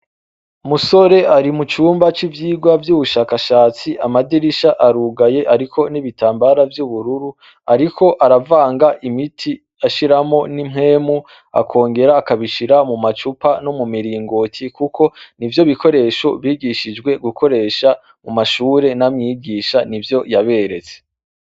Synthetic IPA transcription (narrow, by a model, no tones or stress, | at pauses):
muso̞ɾe̞aɾimut͡ʃuːmbat͡ʃivjiːɡwavjuːβuʃaːkaʃaːt͡siamadiɾiʃaʔaɾuɡaje̞ʔaɾikʰo̞niβitʰaːmbaɾavjuβuɾuɾu | aɾikʰo̞ʔaɾavaːŋɡaʔimitʰi | aʃiɾamo̞nimɦe̞ːmu | a̰kʰo̞ːŋɡe̞ɾaːkaβiʃiɾamumat͡ʃupano̞mumiɾiːŋɡo̞tʰikukʰo̞nivjo̞βiko̞ɾe̞ʃo̞βiːɡiʃid͡ʒɡwe̞ɡukʰo̞ɾe̞ʃa | mumaʃuːɾe̞namɲiːɡiʃanivjo̞jaβe̞ɾe̞t͡se̥